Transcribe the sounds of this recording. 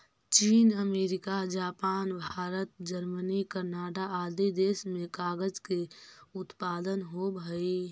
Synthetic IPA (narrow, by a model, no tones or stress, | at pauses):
t͡ʃiːnəmeːɾɪkad͡ʒaːpaːnbʱaːɾət̪d͡ʒəɾmənikəɾnaːʈaaːd̪id̪eːsmẽkaːɡəd͡ʒkeʊt̪paːd̪ənɦobʱəi